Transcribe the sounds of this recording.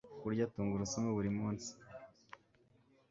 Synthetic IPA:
kuɾɟatuːŋɡuɾusamoβuɾimuːnsi̥

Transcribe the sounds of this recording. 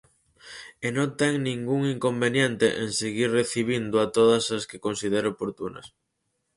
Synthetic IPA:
enõnt̪ɛŋnĩŋɡuŋiŋkombenjɛnt̪ḛʔeŋseɣirreθiβ̞ind̪ʊat̪oðɐsɐskekonsið̞eɾoopoɾt̪unɐ̰s

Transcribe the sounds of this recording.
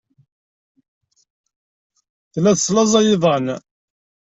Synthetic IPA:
θlæðsˤlɑzˤɑjɪðˤən

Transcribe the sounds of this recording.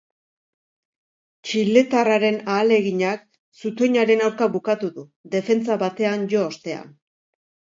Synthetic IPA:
t͡ʃile̞t̪araɾe̞naːle̞ɣiɲak | sut̪o̞ɲaɾe̞nawɾkaβukat̪uðuðe̞fe̞nt͡saβat̪e̞anʝo̞ːst̪e̞a̰n

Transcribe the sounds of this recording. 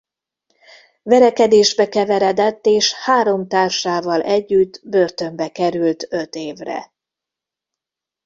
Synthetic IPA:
vɛɾɛkɛd̪eːʒbɛkɛvɛɾɛd̪ɛt̪ːeːʃhaːɾo̞mt̪aːrʃaːvɒlʔɛɟːyt̪ːbørt̪ø̞mbɛkɛɾylt̪ø̞t̪eːvrɛ̰

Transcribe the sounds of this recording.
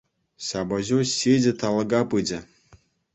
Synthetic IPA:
ɕɑbɤʑuɕed͡ʑʲɘ̆t̪ɑlˠɤ̆ɡɑpɯd͡ʑɘ̆

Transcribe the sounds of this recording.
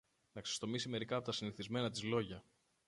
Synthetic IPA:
nɐksest̪o̞misime̞ɾikɐːpo̞t̪ɐsiniθizme̞nɐt̪izlo̞ʝɐ

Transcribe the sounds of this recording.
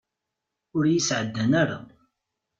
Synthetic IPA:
ʊɾjəsʕəd̪ːænaɾa

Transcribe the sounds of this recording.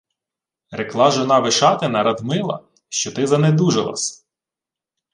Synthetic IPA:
ɾeklˠɑʒɔnɑʋɪʃɑt̪ɪnɐɾɐd̪mɪlˠɐ̰ | ʃt͡ʃɔt̪ɪzɐned̪uʒelˠɐ̰sʲ

